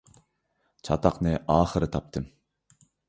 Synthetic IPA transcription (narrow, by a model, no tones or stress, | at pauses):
t͡ʃʰɑt̪ʰɑqnɨʔɑːχəɾɨt̪ʰɑp̚t̪ʰɨm